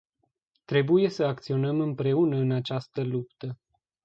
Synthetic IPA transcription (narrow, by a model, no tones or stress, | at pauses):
t̪ɾe̞buje̞səak̚t̪sio̞nəmɨmpɾe̞unəɨnat͡ʃast̪əlupt̪ə